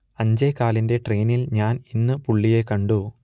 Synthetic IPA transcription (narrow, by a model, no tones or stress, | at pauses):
ɐɲd͡ʑɐjkaːlinde̞ʈre̞ːnilɲaːninːɨpuɭːijekɐɳɖu